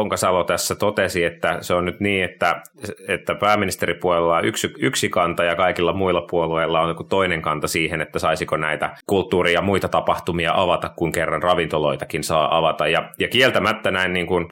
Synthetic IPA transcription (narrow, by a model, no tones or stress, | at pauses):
oŋkɑsɑlot̪æsːæt̪ot̪esiet̪ːæseonnyt̪niːet̪ːæ | et̪ːæpæːmːinist̪eɾipuolelːɑyksiyksikɑnt̪ɑjɑkɑikilːɑmuilːɑpuolueilːɑonkut̪oineŋkɑnt̪ɑsiːhenet̪ːæsɑisikonæit̪ækult̪ːuːrijɑmuit̪ɑt̪ɑpɑht̪umiɑʔɑʋɑt̪ɑkkuŋkerːɑnrɑʋint̪oloit̪ɑkinsɑːʔɑʋɑt̪ɑjjɑjɑkielt̪æmæt̪ːænæinniːŋkun